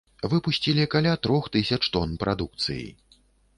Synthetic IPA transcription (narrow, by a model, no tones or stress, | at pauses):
vɨpusʲt͡sʲilʲikalʲat̪ɾɔxt̪ɨsʲɐt͡ʂt̪ɔnpɾʔad̪uk̚t̪sɨ̰jḭ